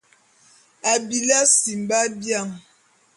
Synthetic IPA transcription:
a˨bi˨la˦si˨m˨ba˦bja˦˨ŋ

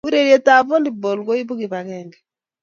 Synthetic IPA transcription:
u˦ɾe˦˨ɾjɛ˦ta˨βɔ˦ndi˨bo˨lɡo˦i˦βu˦ɣi˨βa˨ɣɛŋɡɛ

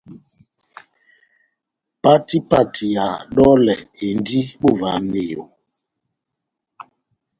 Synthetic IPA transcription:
pa˦ti˦pa˦tʰi˨ja˨ɗɔ˦lɛ̰˨e˨n˦di˦ɓo˦va˨˦ne˦˨jo̰˨

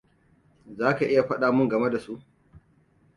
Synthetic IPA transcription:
zaː˦ka˨ʔɪ˦ja˨ɸɐ˦ɗaː˨mʊ˦ŋɡɐ˨me˦da˨su˦ʔ

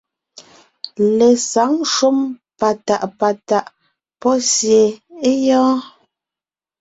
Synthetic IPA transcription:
le˨sa˨˦ŋʃu˦mpa˨ta˨ʔpa˨ta˨ʔ | pɔ˦sje˨e˦jɔː˦

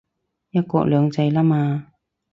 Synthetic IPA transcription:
jɐ˥t̚kɔ̰ː˧k̚lœː˨˧ŋt͡sɐ˧jlaː˥maː˧

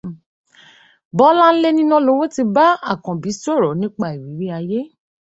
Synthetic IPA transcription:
bɔ˦la˦n̩˦le˦nĩ˦nɔ̃˦lo˧˦wo˦ti˧ba˦a̰˦˨kɔ̃˨bi˨˦so˦˨ɾɔ˨˦nĩ˦k͡pa˦˨i˨wi˨˦ɾi˦a˧je˦

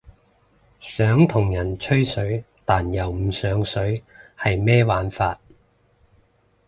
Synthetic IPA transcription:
sœː˨˥ŋt̪ʰʊ˨˩ŋjɐ˨˩nt͡ʃʰɵ˥ɥsɵ˨˥ɥ | t̪aː˨njɐ˨˩wm̩˨˧sœː˨˥ŋsɵ˨˥ɥhɐ˨jmɛː˥waː˨˥nfaː˧t̚

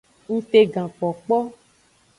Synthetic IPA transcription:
ŋ̩̃˦t̪e˧ɡã˨k͡pɔ˨k͡pɔ˦

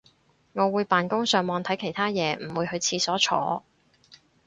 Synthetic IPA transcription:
ŋɔː˨˧wuː˨˧jpaː˨nkʊ˥ŋsœː˨˧ŋmɔː˧ŋt̪ʰɐ˨˥jkʰe˨˩jt̪ʰaː˥jɛː˨˧m̩˨˩wuː˨˧jhɵ˧ɥt͡sʰiː˧sɔː˨˥t͡ʃʰɔ̰ː˨˧˥

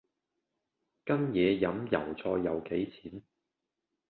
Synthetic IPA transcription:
kɐ˥njɛː˨˧jɐ˨˥mjɐ̰˨˩wt͡sʰɔː˧jːɐ˨˧wke˨˥jt͡sʰiː˨˥n

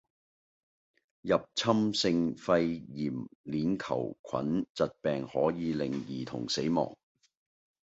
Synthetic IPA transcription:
jɐ˨p̚t͡sʰɐ˥msɪ˧ŋfɐ˧jjiː˨˩mliː˨˥nkʰɐ̰˨˩wkʷʰɐ̰˨˥nt͡sɐ˨t̚pɛː˨ŋhɔː˨˥jiː˨˧lɪ˨ŋjiː˨t̪ʰʊ̰˨˩ŋse˨˥jmɔ̰ː˨˩ŋ

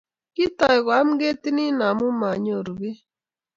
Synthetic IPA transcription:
ki˦tɔ˨i˨ɣwa˨˦m̩˦ɡe˦ti˦ni˦na˨mu˦ma˨ɲ˦o˨ɾu˨βe˦

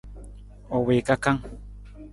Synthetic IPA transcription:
o˨weː˨kaka˦ŋ

